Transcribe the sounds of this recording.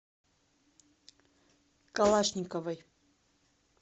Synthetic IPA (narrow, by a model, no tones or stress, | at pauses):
kalˠaʃnʲikɔvaj